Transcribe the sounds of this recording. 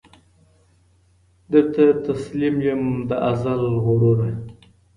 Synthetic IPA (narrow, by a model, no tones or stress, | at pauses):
d̪əɾt̪at̪aslimjumd̪əʔazalɣoɽoɾaj